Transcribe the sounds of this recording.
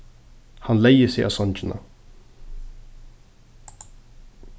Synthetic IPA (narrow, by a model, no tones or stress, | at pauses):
hanlejəsɛʔa̰sɔnt͡ɕɪna̰